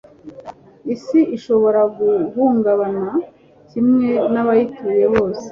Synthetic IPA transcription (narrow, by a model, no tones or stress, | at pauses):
isiʔiʃo̞βo̞ɾaɡuβuːŋɡaβana | cimŋe̞naβajituje̞βo̞ːse̥